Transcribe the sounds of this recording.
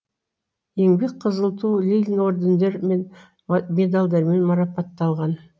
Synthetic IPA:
je̞ŋbe̞k̚ʲqʰəzəlˠt̪ulʲilʲno̞ɾd̪ʲend̪eɾmen | me̞d̪alˠd̪ɑɾme̞nmɑɾɑpɑt̪ːɑlˠʁɑn

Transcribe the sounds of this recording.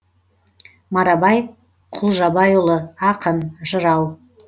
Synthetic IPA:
maɾɑbɑjf | qʰʊlˠʒɑbɑjolˠəɑqʰənʒəɾɑw

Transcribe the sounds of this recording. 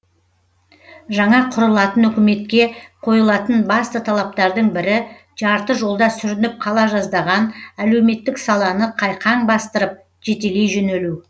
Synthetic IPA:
ʒɑɴɑqʰʊɾəlˠɑt̪ənɵkʲɪme̞t̪kʲe̞qʰo̞jəlˠɑt̪ənbɑst̪ət̪ʰɑlˠɑp̚t̪ɑɾd̪əɴbɪɾɪ | ʒɑɾt̪əʒo̞lˠd̪ɑsʏɾɪnɪp̚qʰɑlˠɑʒɑzd̪ɑʁɑnæle̞wme̞t̪ːɪksɑlˠɑnəqʰɑjqʰɑɴbɑst̪əɾəp̚ | ʒe̞t̪e̞le̞jʒɵnelu

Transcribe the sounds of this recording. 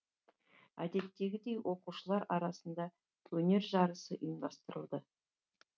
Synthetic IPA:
æd̪e̞t̪ːe̞ɡʲɪd̪e̞jwʔo̞quʃəlˠɑɾɑɾɑsənd̪ɑ | wɵne̞ɾʒɑɾəsəʔʏjəmd̪ɑst̪əɾəlˠd̪ə

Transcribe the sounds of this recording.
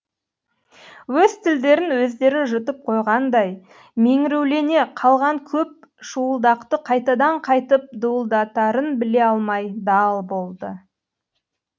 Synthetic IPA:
wɵz̥t̪ʰɪld̪e̞ɾɪnwɵzd̪e̞ɾɪʒʊt̪əp̚qʰo̞jʁɑnd̪ɑj | me̞ŋɪɾewle̞ne̞qʰɑlˠʁɑŋkʲʰɵp̚ʃuəlˠd̪ɑqt̪əqʰɑjt̪ɑd̪ɑɴqʰɑjt̪əp̚d̪uəlˠd̪ɑt̪ɑɾənbɪle̞ɑlˠmɑjd̪ɑlˠbo̞lˠd̪ə

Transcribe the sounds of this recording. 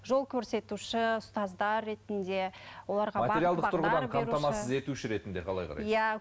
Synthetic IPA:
ʒo̞lˠkʲʰɵɾse̞t̪uʃɪʊst̪ɑzd̪ɑrːe̞t̪ɪnd̪e̞wo̞lˠɑɾʁɑmɐtb̪ʲeɾijalˠd̪əqt̪ʰʊɾʁəd̪ɑnkʰɑpɾt̪ɑmɑssəze̞t̪uʃɪɾe̞t̪ɪnd̪e̞qʰɑlˠɑ̰jqʰɑ̰ɾɑ̰jæ

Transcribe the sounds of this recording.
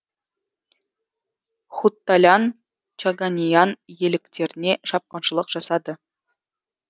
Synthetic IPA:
χut̪ːalʲɑn | t͡ʃaɡanʲijɑnje̞lɪkt̪e̞ɾɪne̞ʃɑp̚qɑnʃəlˠəqʒ̥ɑsɑd̪ə

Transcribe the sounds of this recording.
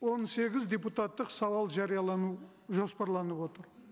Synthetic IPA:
wo̞nse̞ɡʲɪzd̪ʲeput̪at̪ːəqsɑwɑlˠʒɑɾijɑlˠɑnu | ʒo̞spɑɾlˠɑnəpwo̞t̪əɾ

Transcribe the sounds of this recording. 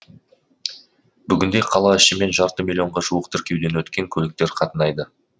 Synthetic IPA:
bʏɡʲɪnd̪e̞qʰɑlˠɑɪʃɪme̞nʒɑɾt̪əmʲilʲio̞ɴʁɑʒuəqt̪ʰɪɾkʲe̞wd̪e̞nwɵt̪kʲe̞ŋkʲʰɵlɪk̚t̪e̞ɾqʰɑt̪ənɑjd̪ə

